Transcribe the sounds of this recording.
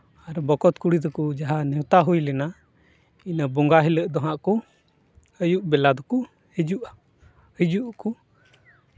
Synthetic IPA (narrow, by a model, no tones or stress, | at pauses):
aɾbɔkɔt̪kuɽid̪ɔkud͡ʒaɦanɛwt̪aɦujlɛna | inabɔŋɡaɦiləʔd̪ɔɦaʔkɔ | əjuʔbɛlad̪ɔku | hɛd͡ʒuʔa | həd͡ʒuʔku